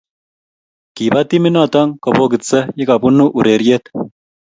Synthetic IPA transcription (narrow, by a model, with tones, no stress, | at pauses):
ki˨ba˦t̪i˦mi˦na˦˨t̪ɐ˦ŋko˨po˦ɡɪ˨t͡sːə˦ji˦ka˨pu˦nːu˦ʔu˨ɾe˨ɾije˦t̪